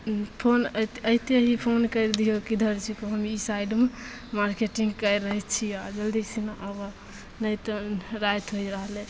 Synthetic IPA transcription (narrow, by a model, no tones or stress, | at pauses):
pʰonəit̪eɦipʰonkəɾd̪ijokid̪ʱəɾt͡ʃʰikoɦəmisajɖme | maɾkeʈiŋɡkəjɾəɦɛt͡ʃʰiad͡ʒəld̪isinaʔəɡo | nəjt̪ɔɾajt̪ɦojɾəɦle